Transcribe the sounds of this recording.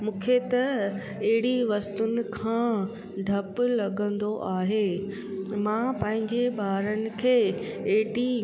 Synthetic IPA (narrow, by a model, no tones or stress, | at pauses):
mũːkʰet̪ɐ | eɦɪɽiʋɐst̪ʊnɪ̆kʰãː | ɖʱɐpʊlɐɠə̃nd̪oʔaːɦeː | mãpɐ̃ɦɪ̃ɲd͡ʑebaːɾənɪ̆kʰeːeɦɪɽi